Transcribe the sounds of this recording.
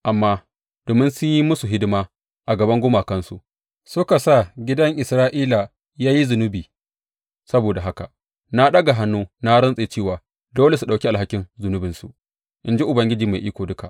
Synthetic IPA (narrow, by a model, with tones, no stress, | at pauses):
ʔa˨mːaː˦ | d̥oː˨mɪ˦nsʊ˦ɲji˦mʊ˦su˨ɦɪ˦dɪ˦maː˦ | ʔa˨ɡɐ˨bɐ˦ŋɡʷʊ˦maː˨kɐ˦nsṵ˨ʔ | sʊ˦ka˨sa˦˨ɡʲɪ˦dɐ˦ŋʔɪ˨sɾaː˦ʔiː˦la˨ | jaː˦ji˦zʊ˨nʊ˦biː˨ | sɐ˦boː˨da˨ɦa˦ka̰˨ | na˦ɗɐ˦ɡa˨ɦa˦nːuː˦na˦ɽɐ˦nsʼeː˨t͡ʃeː˦˨waː˨ | doː˦le˨su˨ɗa˨wkʲi˦ʔa˨ɦa˦kʲɪ˦nzʊ˨nʊ˦bɪ˨nsu˨ʔ | ʔɪ˨nd͡ʒi˦ʔʊ˨bɐ˦ŋɡʲɪ˦d͡ʒiː˨ma˨ʔiː˦kʷoː˨dʊ˦ka̰˨ʔ